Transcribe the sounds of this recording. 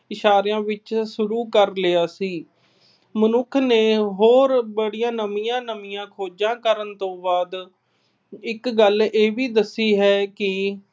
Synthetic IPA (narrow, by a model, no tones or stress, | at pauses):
ɪʃaːɾejãːʋɪt͡ʃʃʊɾuːkəɾlɪjaːsiː | mənʊkʰneːɦoːɾbəɽijãːnəmijãːnəmijãːkʰoːd͡ʒãːkəɾənt̪õːbaːd̪ | ɪkɡəleːʋiːd̪əsːiːɦɛːkɪ